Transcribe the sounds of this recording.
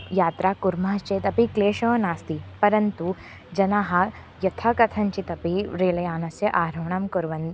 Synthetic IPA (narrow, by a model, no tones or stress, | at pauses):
jaːt̪ɾaːkuɾmɐɦɐst͡ʃeːt̪ɐpikleːʃɐːnaːst̪ipɐɾɐnt̪u | d͡ʒɐnaːɦɐ̆ | jɐt̪ʰɐkɐt̪ʰɐɲt͡ʃit̪ɐpiɾeːlɐjaːnɐsjɐʔaːɾɐwɳɐmkuɾʋɐnd̪